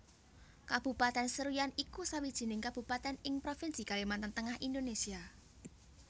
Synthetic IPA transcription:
kab̥ṳpat̪ɛnsəɾujanikusawid̥ʒ̥i̤nɪŋkab̥ṳpat̪ɛnɪŋpɾofɪnsikalemant̪ənt̪əŋahind̪onesia

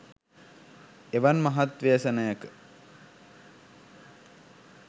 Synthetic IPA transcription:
eʋanmɐɦat̪ʋeːsənəjakə̥

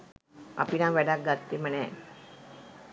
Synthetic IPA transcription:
a̰pinaʋɛɖak̚ɡat̪ːemənɛ

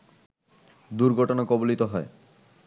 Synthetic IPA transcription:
d̪uɾɡʱɔʈonakɔbolit̪oɦɔe

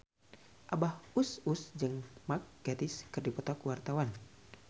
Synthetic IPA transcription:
ʔabahususd͡ʒɨŋmak̚ɡ̥ad̪iskɨrdipɔt̪akuwart̪awan

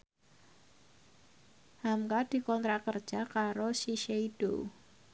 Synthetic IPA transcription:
hamkad̥i̤kɔnt̪ɾakərd̥d͡ʒ̥a̤kaɾosiʃeid̥o̰

